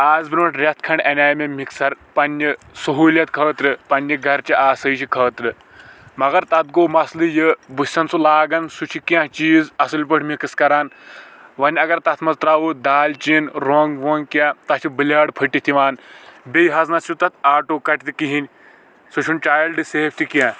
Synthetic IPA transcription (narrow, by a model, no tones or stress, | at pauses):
aːzbiɾʋɐʈʰɾʲɐt̪ʰkʰɐɳɖɐnʲaːjmemiksɐɾpɐnʲːi | sɐɦuːlʲɐt̪kʰɐːt̪ɾɨpɐnʲːiɡʱɐɾt͡ʃiʔaːsɐjʃʰikʰɐːt̪ɾɨ | mɐɣɐɾt̪ɐt̪̚ɡoːmɐslɨjɨbusʲsɐnsulaːɡɐnsut͡ʃʰikiãt͡ʃiːzɐsɨlʲpəʈʰmikɨskɐɾaːn | ʋɐnʲɐɡɐɾt̪ɐt̪ʰmɐzt̪ɾaːʋud̪aːlʲt͡ʃinɾoːŋɡʋoːŋɡkʲjãːt̪ɐt͡ʃʰibɨlʲaːɽpʰɨʈːit̪ʰiʋaːnbejɦɐznɐsjut̪ɐt̪ʰaːʈoːkɐʈʲt̪ikiɦinʲ | sut͡ʃʰunʈaːjlɖɨseːpʰt̪ʰikjãː